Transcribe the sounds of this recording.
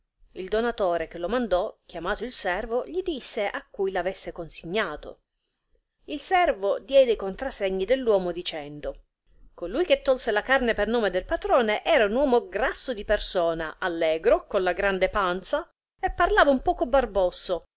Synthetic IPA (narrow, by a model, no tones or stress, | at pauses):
ild̪onat̪oːɾek̟elomand̪ɔk̟jamaːt̪oilsɛrvoʎid̪isːeʔakːujlavesːekonsiɲːaːt̪o̰ | ilsɛrvod̪jɛd̪ejkont̪ɾasːeɲːid̪elːwɔːmod̪it͡ʃɛnd̪o | kolujk̟et̪ːɔlselakarnepernoːmed̪elpat̪ɾɔːneʔɛːɾaunwɔːmoɡɾasːod̪ipersɔːnaalːɛːɡɾokonlaɡɾand̪epant̪sa | epːarlaːvaumpɔːkobarbɔsːo